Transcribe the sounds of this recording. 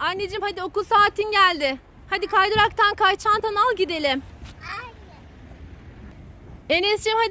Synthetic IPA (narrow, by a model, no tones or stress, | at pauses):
anːed͡ʒimhad̪io̞kulˠsaːt̪ʰinɟælʲd̪ɪ | had̪ikʰajd̪oɾakt̪ʰankʰajt͡ʃʰant̪ʰanalˠɟid̪e̞lʲɪm | enɛst͡ʃimhad̪